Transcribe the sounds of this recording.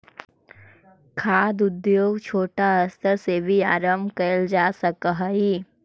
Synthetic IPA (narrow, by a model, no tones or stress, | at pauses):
kʰaːd̪ʊd̪joːɡt͡ʃʰoːʈaɐst̪əɾsebʱiaːɾəmbʱkəəld͡ʒaːsəkɦəiː